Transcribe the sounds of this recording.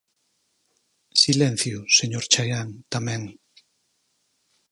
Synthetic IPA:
silen̟θjiuseɲoɾt͡ʃajant̪amen

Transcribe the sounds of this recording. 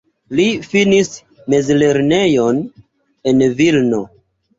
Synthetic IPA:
lifinis | mezle̞ɾne̞jo̞n | e̞nvilno

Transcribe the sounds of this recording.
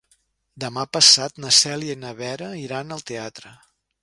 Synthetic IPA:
d̪əmapəsat̪nəsɛlienəβɛɾəiɾanəlˠt̪eat̪ɾə

